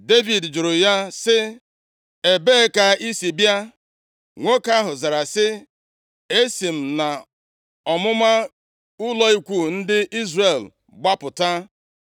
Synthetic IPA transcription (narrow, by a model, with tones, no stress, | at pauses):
de˦vi˨dd͡ʒʊ˨ɾʊ˨ja˦sɪ˦ | e˨be˦ka˨i˦si˨bja˦ | ŋʷo˦ka˦ɦʊ˨za˨ɾa˨sɪ˦ | e˦si˨m̩˨na˨ | ɔ˨mʊ˦ma˦ | ʊ˦lɔ˦i˦kʷu˦n̩˦dɪ˦ʔi˦zre˨l | ɡ͡ba˦pʊ˨ta˦